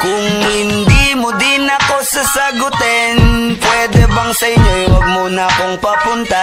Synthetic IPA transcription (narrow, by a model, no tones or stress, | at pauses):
kʊŋhɪnd̪imod̪inɐko̞sɐsɐɡʊt̪ɛnpwɛd̪ɛbɐŋsɐɪɲːowɐɡ̚monɐkoŋpɐpʊnt̪ɐ